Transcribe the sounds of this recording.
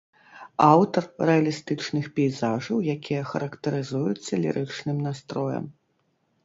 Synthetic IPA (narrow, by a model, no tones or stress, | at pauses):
awt̪ɐrrɛɐlʲist̪ɨt͡ʂnɨxpʲɛjzaʐɐwjakʲijɐxɐ̰ɾɐkt̪ɐɾɨzujusʲːɐlʲḭɾʔɨt͡ʂnɨmnast̪ɾɔjɐ̰m